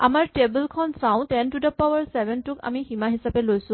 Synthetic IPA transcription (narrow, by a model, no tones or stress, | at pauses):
amaɹtebəlkʰɔnsaʊ̃tɛntudɔpawaɹsɛbʱɛntʊka̰miximaɦisapɛlojsʊ̃